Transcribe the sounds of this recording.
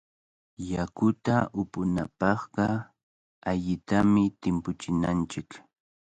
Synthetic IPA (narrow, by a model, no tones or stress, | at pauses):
jakʊt̪aʔʊpʊnapɑχɢɑ | aʎɪt̪amɪt̪ɪmpʊt͡ʃɪnant͡ʃɪk